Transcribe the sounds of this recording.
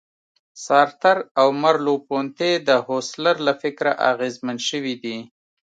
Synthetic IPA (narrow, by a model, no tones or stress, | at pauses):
sɑɾt̪aɾawmaɾlopont̪ed̪əhoslaɾlafɪkɾaʔa̰ɣezmanʃəwid̪i